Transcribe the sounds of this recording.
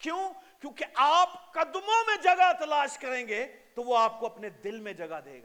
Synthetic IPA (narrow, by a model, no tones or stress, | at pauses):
kjõːkjõːkeʔaːpkɐd̪mõmẽd͡ʒɐɡat̪ɐlaːʃkɐɾẽːɡeːt̪oʋoaːp̚koɐpned̪ɪlmẽd͡ʒɐɡad̪ḛːɡaː